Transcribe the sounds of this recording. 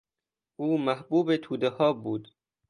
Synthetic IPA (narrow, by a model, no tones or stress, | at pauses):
ʔuːmæhbuːbet̪ʰuːd̪ehɒːbuːd̪̥